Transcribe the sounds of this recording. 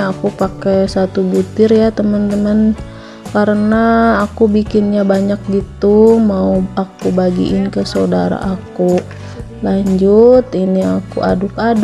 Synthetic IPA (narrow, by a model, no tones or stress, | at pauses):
akupakɛsat̪ubut̪ɪrjat̪əmənt̪əmən | kaɾənaːkubikɪnɲabaɲak̚ɡit̪umauakubaɡḭʔɪnkəsaodaɾa̰ʔaku | laɲd͡ʒut̪iniakuʔa̰dʊkad